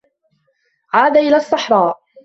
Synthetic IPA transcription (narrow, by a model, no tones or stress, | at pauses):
ʕaːd̪aːʔɪlaːsˤːɑħɾˤɑːʔ